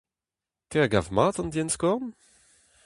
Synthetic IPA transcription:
t̪ɛɡa̰vmaːt̪ɑ̃nd̪jɛnskɔʁn

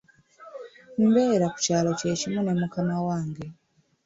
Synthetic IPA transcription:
m̩beɾaku̥caːlo̞ce̞ːcimune̞mukamawaːŋɡe̞

